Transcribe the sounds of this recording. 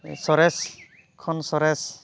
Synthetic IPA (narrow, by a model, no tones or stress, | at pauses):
sɔɾɛs | kʰɔnsɔɾɛs